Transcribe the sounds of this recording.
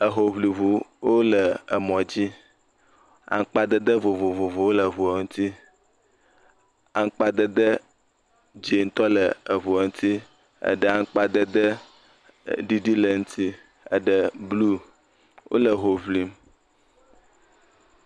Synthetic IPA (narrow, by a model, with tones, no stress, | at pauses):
ə˨ɦo˨βli˨βu˨wo˦lə˨ə˨mɔ̃˨d͡ʑi˦ | a̰˦ŋ˦k͡pa˦d̪ə˦d̪ə˦vo˨vo˨vo˨vo˨wo˦lə˨ɦu˨a˨ŋu˦t̪ʰi˦ | a˦ŋ˦k͡pa˦d̪ə˦d̪ə˦ | d͡ʒe˨ŋ̩˦t̪ɔ˦lə˨ə˨βu˨a˨ŋũ˦t̪ʰi˦ | ə̰˨ɖə˦a˦ŋ˦k͡pa˦d̪ə˦d̪ə˦ | ɖi˦ɖi˦lə˨ŋu˦t̪ʰi˦ | ə̰˨ɖə˨blu˦ | wʔo̰˦lə˨ɦo˨vli˨m